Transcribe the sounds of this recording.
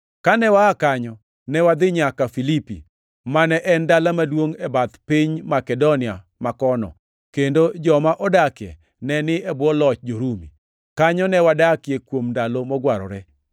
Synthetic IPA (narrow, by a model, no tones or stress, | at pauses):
kanɛwaakaɲɔ | nɛwad̪ɪɲakafilipḭ | manɛʔɛndalamadwoŋɛbat̪piɲmakɛdonɪa | makɔnɔ̰ | kendod͡ʒɔmaʔɔdakjɛ̰ | nɛnɪɛbwɔlɔt͡ʃd͡ʒoɾumḭ | kaɲɔnɛwadakjekwomndalomɔɡwaɾɔ̰ɾɛ